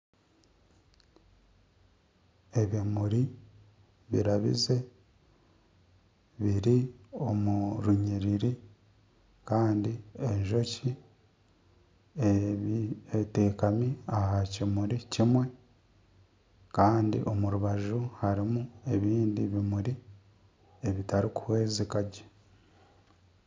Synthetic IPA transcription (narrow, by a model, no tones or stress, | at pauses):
eβimuɾi | βḭɾaβḭze̞ | βiɾio̞muɾuɲiɾiɾi | kaːndieɲʒo̞ci | eβiete̞ːkamiahacimuɾicimwe̞ | kaːndḭʔo̞muɾuβaʒuhaɾimue̞βiːndiβimuɾi | e̞βitaɾikuhwe̞ːzekaɟe̥